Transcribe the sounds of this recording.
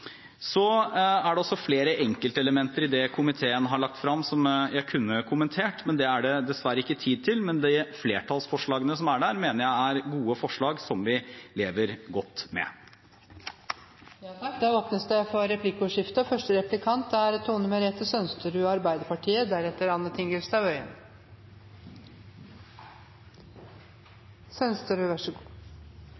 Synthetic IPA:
sɔæɖɛɔsːɔfleːɾəʔɛŋkəlt̪əɛləmɛnt̪əɾɪd̪ɛkʰʊmɪt̪ʰeːənɦɑɭɑkt̪fɾɑmsɔmjæɪkʰʉnːəkʰʊmənt̪ʰeːʈmɛnd̪ɛæɖɛd̪ɛsʋæɾːəɪkːət̪ʰiːd̪̚t̪ʰɪlmɛnd̪ɪfleːʈʰɑlsfɔʂɭɑːɡənəsɔmæɖæɾmeːnəɾjæɪæɾɡuːəfɔʂɭɑːɡsɔmʋɪleːʋəɾɡɔt̪ːmɛ̰ | jɑːt̪ʰɑkd̪æoːpnəsd̪ɛfɔɾɛpʰlɪkːʊʂɪft̪əfœʂʈəɾɛplɪkʰɑnt̪̚ɛæɾɛt̪ʰːuːnməɾɛt̪əsœnst̪əɾʉːɑɾbæɪd̪əɾpɑʈʰiːəd̪æɾɛt̪ːəɾɑnːət̪ʰɪŋɡəlst̪ɑʋœʏə̰n | sœnst̪əɾʉʋæʂə

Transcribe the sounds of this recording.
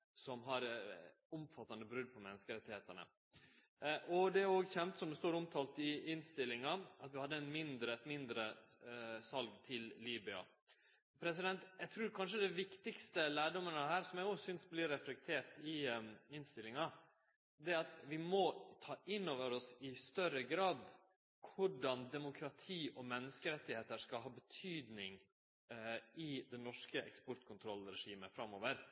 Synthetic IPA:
sɔmɦɑɾ | ʊmfɑt̪ːɑnd̪əbɾʉd̪̚pʰɔmɛnːəskəɾɛt̪ːɪheːt̪əɳə̰ | ʔɔd̪ɛoːɡçɛmt̪sɔmd̪ʉst̪uːɾɔmt̪ʰɑːlt̪ɪɪnst̪ɪlːɪŋɑɑt̪ʋɪhɑd̪ːəɛnmɪnd̪ɾəɛt̪mɪnd̪ɾə | sɑlɡt̪ʰɪlliːbɪɑ̰ | pʰɾɛs̬ɪd̪ɛnt̪jæɡt̪ʰɾʉːɾkʰɑnʂəd̪ɛʋɪkt̪ɪkst̪əlæːɖɔmənəɦæːɾsɔmjæɡoːsʏnsblɪɾɛflɛk̚t̪ʰeːɾt̪ɪɪnst̪ɪlːɪŋɑ | d̪ɛɑt̪ʋɪmɔt̪ʰɑːʔɪnːoːʋəɾɔsɪst̪œɾəɡɾɑːd̪ | kʰʊɖɑnd̪ɛmʊkʰɾɑt̪ʰiːʔɔmɛnːəskəɾɛt̪ːɪheːt̪əɾʂkɑlɦɑːbət̪ʰyːd̪nɪŋ | ɪd̪ɛnɔʂkəʔɛ̰kspɔɾt̪kʰʊnt̪ʰɾɔlɾɛʂiːməfɾɑmːoːʋəɾ

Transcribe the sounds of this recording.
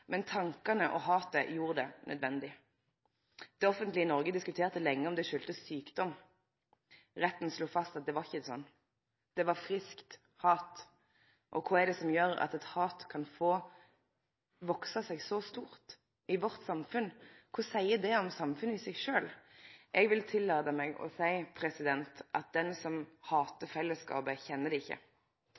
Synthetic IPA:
mɛnt̪ʰɑŋkɑnəʔɔɦɑːt̪əjuːʁəd̪ɛnʔœ̰d̪ʋɛnd̪ɪ | d̪̥ɛɔfənt̪lɪɪnɔɾɡəd̪ɪskʉt̪ʰeːʁt̪əlɛŋːəɔmd̪ɛʃʉːlt̪əsyːkd̪ɔm | ʁɛt̪ːn̩sluːfɑst̪ɑt̪̚d̪ɛʋɑɾɪçːəd̪ɛsɔ̰nː | d̪̥ɛʋɑɾfʁɪskt̪ | hɑːt̪ | ʔɔkʰʊɛd̪ɛsɔmjøːɾɑ̰t̪ɛt̪hɑːt̪kʰɑnfoː | ʋɔksɑsɛɡsɔst̪uːʁt̪ | ɪʋɔɾt̪sɑmfʉnkʰʊsæɪəd̪ɛɔmsɑmfʉnəɪsɛɡʂøːlʔɛɡʋɪlt̪ʰɪlːɑːd̪əmɛɡɔ̰sæɪpʰɾɛsɪd̪ɛnt̪ʔɑ̰t̪̚d̪ɛnsɔmhɑːt̪əfɛlːəskɑ̰ːbəçɛnːəd̪ɛɪçːə̰

